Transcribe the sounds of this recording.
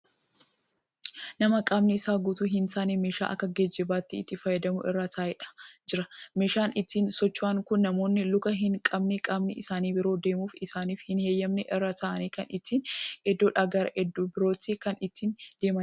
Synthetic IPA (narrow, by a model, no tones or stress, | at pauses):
nɐmɐkʼɐbnɪɪsaːɡʊt̪uɦɪnsaːnimeːʃa̰ːʔɐ̰kːɐɡɛd͡ʒːɛbaːt̪ːɪːt̪ːɪfɐjːɛd̪ɐmʊʔɪrːaːt̪ʰaːɪᶑɐ̥d͡ʒɪɾɐmeːʃaːnʔɪt̪ːiːnsɔt͡ʃːwaːŋkʊnːɐmo̞ːnːɪlʊkɐɦɪŋkʼɐbnɛkʼɐbnɪɪsaːniːbɪɾo̞ːd̪e̞ːmuːfɪsaːniːfhɪnhe̞ːjːɐmnɛʔɪrːaːt̪ɐʔɐniːkɐnɪt̪ːiːnɛd̪ːoːᶑaːɡɐɾɐɛd̪ːuːbɪɾo̞ːt̪ːikɐnɪt̪ːiːnd̪̥e̞ːmɐn